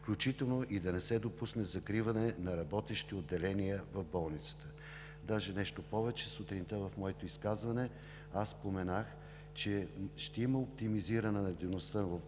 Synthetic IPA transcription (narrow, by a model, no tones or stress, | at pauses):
fklʲut͡ʃit̪ɛlˠnoʔid̪ɐnɛsɛd̪opusnɛzɐkɾivɐnɛnɐɾɐbɔt̪ɛʃt̪iod̪ːɛlɛnijəvɐvbɔlˠnit̪sə̥t̪ə̥ | d̪aʒɛnɛʃt̪opɔvɛt͡ʃɛsut̪ɾint̪əvɐfmɔɛt̪oiskazvɐnɛ | assːpomɛnax | t͡ʃɛʃt̪ɛiməopt̪imiziɾənɛnɐd̪ɛvnost̪əvɐf